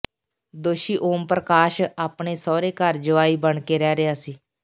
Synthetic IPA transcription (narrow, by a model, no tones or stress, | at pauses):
d̪oːʃiːʔoːmpɾəkaːʃaːpɳeːsɔːɾeːkəɾd͡ʒəʋaːiːbəɳkeːɾɛːɾɪjaːsiː